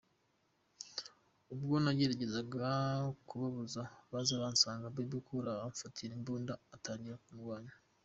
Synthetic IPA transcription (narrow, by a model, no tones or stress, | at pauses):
ubɡonaɟeɾaɟe̞zaɡakuβaβuzaβazaβaːnsaːŋɡababukʰuɾaβaɱfatʰiɾembuːndaːtʰaːɲɟiɾakumɡwaːɲa